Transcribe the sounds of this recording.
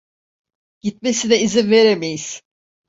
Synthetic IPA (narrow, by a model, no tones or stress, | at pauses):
ɟ̥it̪̚me̞sinɛizinve̞ɾemejiz̥